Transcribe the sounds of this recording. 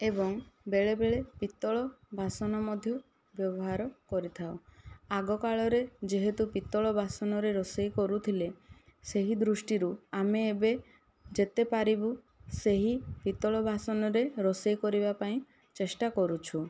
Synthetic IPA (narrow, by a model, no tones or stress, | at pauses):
ebɔŋbeɭebeɭepit̪ɔɭɔbʱasɔnɔmɔd̪ʱjɔ | bjɔbɔɦaɾɔkɔɾit̪ʰaoaɡɔkaɭɔɾed͡ʒeɦet̪upit̪ːɔɭɔbʱasɔnɔɾeɾɔsejkɔɾut̪ʰileseɦid̪ɾusʈiɾuameːbe | d͡ʒet̪epaɾibu | seɦipit̪ɔɭɔbʱasɔnɔɾeɾɔsejkɔɾibapaĩ | t͡ʃesʈakɔɾut͡ʃʰu